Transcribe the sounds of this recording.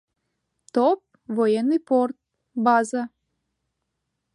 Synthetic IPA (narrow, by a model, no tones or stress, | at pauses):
t̪op̚ | vojenːɨjport̪̚ | bɑzɑ